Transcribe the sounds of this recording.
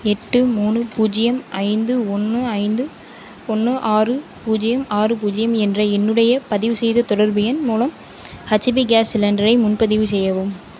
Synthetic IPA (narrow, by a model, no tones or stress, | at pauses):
ɛʈːɯmuːɳɯpuːd͡ʒɪjɐmʔɐɪnd̪ɯɔnːɯɐɪnd̪ɯ | ɔnːɯʔaːrɯpuːd͡ʒɪjɐmaːrɯp̬uːd͡ʒɪjɐmɛndrɐɛnːɯɽɐjɐpɐðɪʋɯsɛjðɐt̪ɔɽɐɾbɪjɐnmuːlɐm | hɐt͡ʃːɪbiɡaːslɐndɐɾɐɪmʊnpɐðɪʋɯsɛjːɐʋɯm